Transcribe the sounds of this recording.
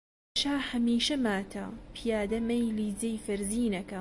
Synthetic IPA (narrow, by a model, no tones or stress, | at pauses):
ʃaːhɐmiːʃɐmaːt̪ʰɐ̰pʰijaːd̪ɐmejliːd͡zɐjfɐɾziːnɐkɐ